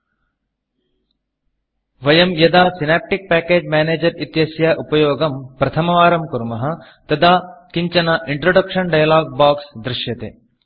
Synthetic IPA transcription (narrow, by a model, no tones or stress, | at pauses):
ʋɐjɐmjɐd̪aːsinaːp̚ʈik̚pæːkeːd͡ʒmaːneːd͡ʒɐɾit̪jɐsjaːʔupɐjoːɡɐmpɾɐt̪ʰɐmɐʋaːɾɐmkuɾmɐɦɐ̆ | t̪ɐd̪aːkiɲt͡ʃɐnɐʔiɳʈɾoɖɐkʂɐnɖɐjɐlaːɡ̚baːksd̪ɾɪʃjɐt̪ḛː